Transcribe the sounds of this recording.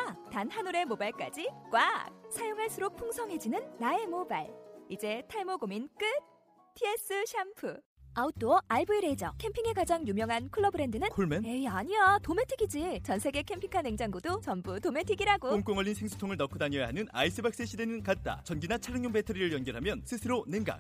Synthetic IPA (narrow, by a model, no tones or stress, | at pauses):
atanhanuɾe̞mobaɭk͈a̰d͡ʑik͈wak̚sʰajoŋɦaɭs͈ɯɾok̚pʰoŋsʰʌŋɦe̞d͡ʑinɯnːaemobaɭid͡ʑe̞tʰaɭmoɡomink͈ɯ | tʰie̞s͈ɯɕʰampʰɯ | aut͈oaɭbuiɾed͡ʑʌkʰe̞mpʰiŋe̞kad͡ʑaŋjumjʌŋɦankʰɯɭːʌbɯɾe̞ndɯnɯnkʰoɭmeneaɲiatome̞tʰiɡid͡ʑit͡ɕʌnsʰe̞ɡe̞kʰe̞mpʰiŋkʰaneŋd͡ʑaŋɡodot͡ɕʌmbutome̞tʰiɡiɾaɡokoŋk͈oŋʌɭːʎːinsʰeŋsʰu̥tʰoŋɯɭnʌkʰɯdaɲʌjaɦanɯna̰is͈ʰɯbak̚s͈eɕʰidenɯnkat̚t͈a̰t͡ɕʌnɡinat͡ɕʰaɾɯŋɲjombetʰɯɾiɾɯɭjʌnɡjʌɾɦamjʌnsʰɯsʰɯɾoneŋɡa̰k̚